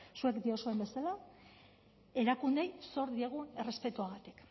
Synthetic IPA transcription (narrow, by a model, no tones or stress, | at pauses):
sue̞kd̪io̞soe̞mbe̞sala | e̞ɾakund̪e̞jso̞ɾðieɣ̞ue̞re̞spe̞t̪uaɣ̞at̪i̥k